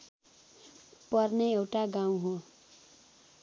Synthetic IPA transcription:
pʌrneewʈaɡãũɦo

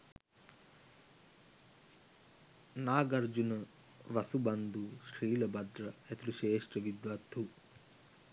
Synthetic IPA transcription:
naːɡɐɾd͡ʒunɐ | ʋɐsubɐnd̪uʃɾiːlɐbɐd̪ɾɐet̪uɾuʃeːʂʈrɐʋid̪ʋat̪u

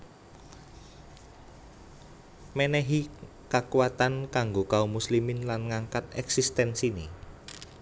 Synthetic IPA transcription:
mɛnɛɦi | kakuwat̪ankaŋɡokaumuslimɪnlanŋaŋkat̪̚ɛksist̪ɛnsine

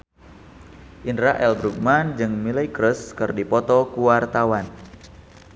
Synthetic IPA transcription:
ʔindɾaʔɛlbɾuɡ̚mand͡ʒɨŋmilajkɾəskɨrdipɔt̪ɔkuwart̪awan

